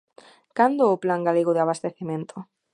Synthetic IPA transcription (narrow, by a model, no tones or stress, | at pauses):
kand̪ooplaŋɡaleɣoðeaβ̞ast̪eθimẽnt̪ʰo